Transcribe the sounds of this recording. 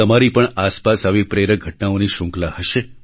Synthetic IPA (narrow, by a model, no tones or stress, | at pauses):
əmaɾipəɳaspasaʋipɾeɾəɡʱəʈnaoniʃʊ̃ŋklahəʃe